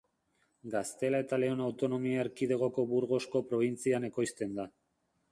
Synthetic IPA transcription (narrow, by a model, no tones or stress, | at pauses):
ɡast̪e̞lae̞t̪ale̞o̞nawt̪o̞no̞miaeɾkið̞e̞ɣ̞o̞ko̞βuɾɣo̞sko̞pɾo̞β̞int͡siane̞ko̞jst̪e̞nd̪a